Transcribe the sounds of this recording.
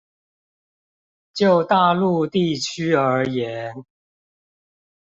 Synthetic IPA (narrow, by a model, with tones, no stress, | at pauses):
t͡ɕjo˥˨˩ʊt̪a˥˨lu˥˧t̪i˥˩t͡ɕʰy˥ə˞˧˥jɛ˨˦n